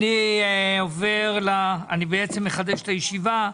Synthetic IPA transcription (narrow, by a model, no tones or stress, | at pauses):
niove̞ʁlaanibeet͡semːeχad̪eʃtajeʃiva